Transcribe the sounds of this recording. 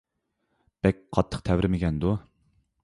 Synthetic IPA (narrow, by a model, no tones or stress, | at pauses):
b̥ɛk̚ʲqʰɑt̪ʰːə̥qt̪ʰɛvɾɪmɪɡʲɛnd̪u